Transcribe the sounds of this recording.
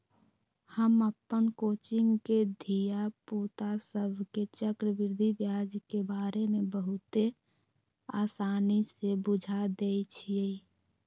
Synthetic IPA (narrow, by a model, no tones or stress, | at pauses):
həməpːənkoːt͡ʃiŋɡked̪ʱijaput̪asəbʱket͡ʃəkɾəbɪɾd̪ʱibjad͡ʒkebaɾemebəɦʊt̪e | asanisebud͡ʒʱad̪ejt͡ʃʰie